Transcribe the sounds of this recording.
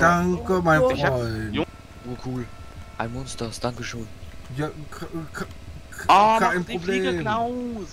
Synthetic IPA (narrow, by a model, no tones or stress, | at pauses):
d̥aŋkəmaɪfʁɔ | oːkʰuːlʔaɪmɔnstɐsd̥aŋkəʃøːnjakʰakḁ | aʔaɪnpʁobleːm